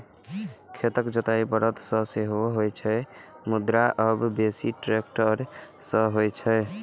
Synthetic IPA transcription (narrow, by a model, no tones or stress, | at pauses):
kʰet̪əkd͡ʒət̪aipəɾət̪sə̃seɦoɦojt͡ʃʰɛɪmud̪ɾaʔəbːesiʈɾekʈəɾsəɦojt͡ʃʰɛj